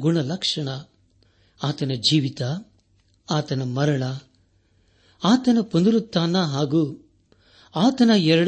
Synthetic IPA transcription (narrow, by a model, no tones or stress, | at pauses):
ɡuɳɐlɐkʂɐɳɐ | aːt̪ɐnɐd͡ʒiːʋit̪a | aːt̪ɐnɐmɐɾɐɳɐ | aːt̪ɐnɐpond̪ɾut̪ːaːnːɐɦaːɡuː | aːt̪ɐnɐɛɾɐɽ